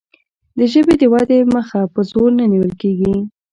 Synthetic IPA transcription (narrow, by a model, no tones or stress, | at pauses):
d̪əʒəbed̪əwad̪eməxapəzoɾnəniwəlkeɡi